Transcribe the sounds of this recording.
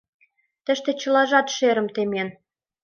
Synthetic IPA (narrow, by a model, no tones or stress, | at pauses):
t̪ə̆ʃt̪ĕt͡ɕɤ̆lɑʒɑt̪ʃeɾə̆mt̪emen